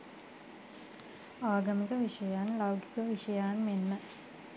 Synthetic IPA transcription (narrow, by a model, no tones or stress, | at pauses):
aːɡɐmikəʋiʂɐjanlawɡi̥kəʋiʂɐjanmenːə